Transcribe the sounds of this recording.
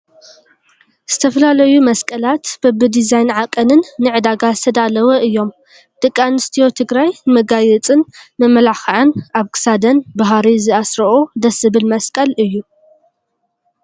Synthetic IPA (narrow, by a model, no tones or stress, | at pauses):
z̥ɨt̪ʰɐfɐlalɐjumɐskʼɐlat̪b̥ɨbɨd̪izajnʕakʼːɐnɨnːɨʕɨd̪aɡazɨt̪ʰɐd̪alɐwɐʔɨjːo̞m | d̪̥ɨkʼːanɨst̪ʰijo̞t̪ʰɨɡɾajnmɐɡajɛt͡sʼɨnmɐmːɐlaxɐʕɨnaβkʰɨ̥sad̪ɐnbaɦaɾizɨasɾɐʔod̪ɐsɨbɨlmɐskʼɐlɨjːu